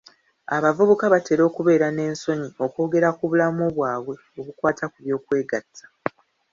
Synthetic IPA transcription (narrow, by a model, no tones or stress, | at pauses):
aβavuβukaβate̞ɾo̞ːkuβe̞ːɾane̞ːnso̞ɲio̞ko̞ːɡe̞ɾakuβulamoβwaːβwe̞ | o̞βukwaːtʰakuβjo̞ːkwe̞ːɡatʰːḁ